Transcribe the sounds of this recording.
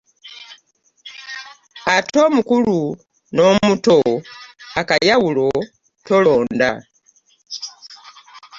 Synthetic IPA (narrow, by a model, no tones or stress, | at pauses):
atʰo̞mukulu | no̞muto̞ | akajawulo̞ | to̞lo̞ːnda̰